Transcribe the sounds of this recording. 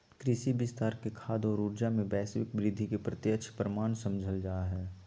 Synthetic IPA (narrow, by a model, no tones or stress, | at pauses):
kɾɪʃibɪst̪aːɾkekʰaːd̪ɔːɾuːɾd͡ʒamẽbɛːsʋɪkbɾɪd̪ʱːikepɾɐt̪jəkʃʰpəɾəmaːnsɐ̃md͡ʒʱəld͡ʒaːɦɛː